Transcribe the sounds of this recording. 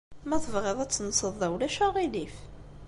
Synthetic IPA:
mæθəvʁeðˤæt͡sːnsˤəðˤæwlæʃæʁilif

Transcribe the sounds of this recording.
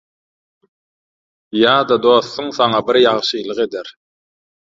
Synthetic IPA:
jɑːd̪ɑd̪o̞ːθːuŋθɑŋɑbiɾjɑʁʃɯjlˠɯqe̞d̪eɾ

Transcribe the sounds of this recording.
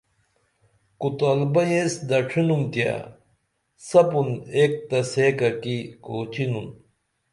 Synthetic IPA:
kut̪albɐjesd̪ɐʈ͡ʂʰinumt̪ja̰ | sɐpunek̚t̪ɐseːkɐkikoːt͡ɕinun

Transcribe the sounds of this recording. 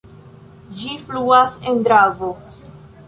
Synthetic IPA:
d͡ʒifluasendɾavo

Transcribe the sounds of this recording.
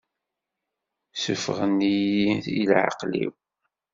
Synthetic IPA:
səfʁənːijiθilʕɑ̰qlḭw

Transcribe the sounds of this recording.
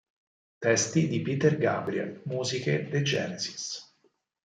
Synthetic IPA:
t̪ɛst̪id̪ipit̪erɡa̰bɾiɛ̰lmuːziked̪ed͡ʒɛːnezi̥s

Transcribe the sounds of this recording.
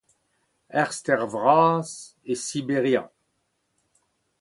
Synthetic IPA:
ɛʁst̪ɛʁvʁaːz | esibeʁjɑ̰̃

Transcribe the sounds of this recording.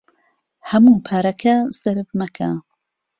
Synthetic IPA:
hɐmuːpʰaːɾɐkʰɐz̥ɐɾɨvmɐkʰa

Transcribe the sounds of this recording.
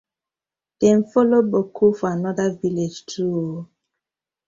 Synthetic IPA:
d̥ɛ̃nfɔlobokʰufɔanɔdaviled͡ʒtʰuo

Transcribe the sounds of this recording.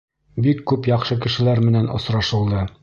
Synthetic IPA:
bikːʉpjɒqʃɤkɘ̆ʃɘ̆læɾmɘ̆nænŏ̰sɾɑʃɤ̆lˠd̪ɤ

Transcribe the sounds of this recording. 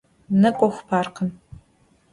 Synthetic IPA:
nɐkʷʼɔxʷpʰaːrqʰən

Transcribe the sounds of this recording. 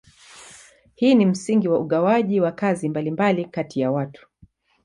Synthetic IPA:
hiːnim̩siŋɡiwauɠawaʄiwakazimbalimbalikatijawatu̥

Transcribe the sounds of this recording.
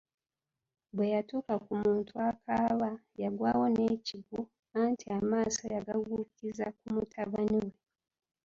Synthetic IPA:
bwe̞jatuːkakumuːntʰuakaːβa | jaɡwaːwo̞neːciɡu | antiamaːsajaɡaɡukizak̚umutʰaβaniwe̞

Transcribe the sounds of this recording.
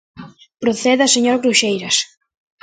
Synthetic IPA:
pɾoθeðɐseɲoɾɣɾuʃejɾɐs

